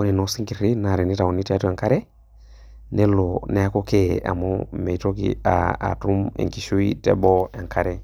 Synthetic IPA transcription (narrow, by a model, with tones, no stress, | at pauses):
o˦ni˨no˨˦si˦ŋki˨ɾi˦na˨ɾe˨ni˦ta˨o˨ni˦ti˦a˦tu˦a˨ŋka˦ɾe˦ | ne˦lo˨ne˨˦a˦ko˦ke˦a̰˨mo˦me˨to˦kḭa̰˨a̰˨tu˦mḛ˨ŋki˨ʃu˦i˦tḛ˦bɔ˦e˨ŋkʰa˦ɾe˦